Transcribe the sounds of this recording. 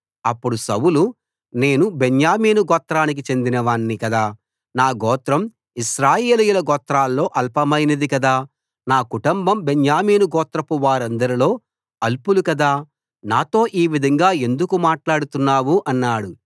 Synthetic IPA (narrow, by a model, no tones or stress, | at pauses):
ɐpːuɽusɐwulu | ne̞ːnubenjaːmiːnuɡɔːt̪ɾaːnik̬it͡ʃe̞nd̪inɐʋaːɳːikɐd̪aː | naːɡɔːt̪ɾɐm | iʃɾaːjeːlijulɐɡɔːt̪ɾaːlːo̞ːʔɐlpɐmɐjnɐd̪ikɐd̪aː | naːkuʈɐmbɐmbenjaːmiːnuɡɔːt̪ɾɐpuʋaːɾɐnd̪ɐɾilo̞ː | ɐlpulukɐd̪aː | naːt̪o̞ːʔiːʋid̪ʱɐŋɡaːe̞nd̪ukumaːʈlaːɽut̪unːaːwuʔɐnːaːɽu